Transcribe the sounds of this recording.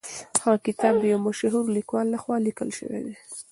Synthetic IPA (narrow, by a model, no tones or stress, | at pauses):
xɑkɪt̪ɑb̚d̪əjawmaʃɦuɾlikwɑlːaxwɑlikəlʃə̰wḛd̪e